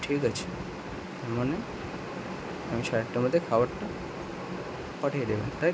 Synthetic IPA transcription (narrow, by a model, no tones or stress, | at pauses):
ʈʰikat͡ɕʰe̥ | t̪aɾmane | amiʃaɾaʈʈːamod̪ʱːjekʰaʋaʈʈːa | paʈʰajed̪eba̰nt̪a